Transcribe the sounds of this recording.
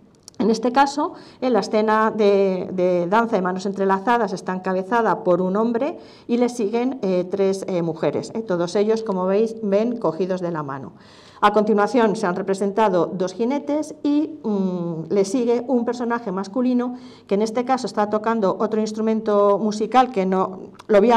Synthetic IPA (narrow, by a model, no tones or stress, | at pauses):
e̞ne̞st̪e̞kaso̞elaesθe̞naðeðeðanθaemãnose̞nt̪ɾe̞laθað̞ase̞st̪aŋkaβe̞θað̞apo̞ɾunõ̞mbɾe̞ | ile̞sːiɣe̞nt̪ɾe̞semuxe̞ɾḛset̪o̞ð̞o̞se̞ʎo̞sko̞mo̞βejsbe̞ŋko̞xiðozðe̞lama̰no̞̰ | ako̞nt̪inwaθjo̞nse̞anre̞pɾe̞se̞nt̪aðo̞d̪o̞sxine̞t̪e̞si | le̞siɣ̞e̞ʔumpe̞ɾso̞naxe̞maskulino | kene̞st̪e̞kaso̞e̞st̪at̪o̞kand̪oʔot̪ɾoinst̪ɾumẽ̞nt̪o̞musikalke̞no | lo̞βi